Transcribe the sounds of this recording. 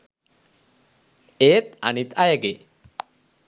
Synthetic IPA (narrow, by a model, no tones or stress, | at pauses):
eːt̪̚a̰nit̪ʰajaɡe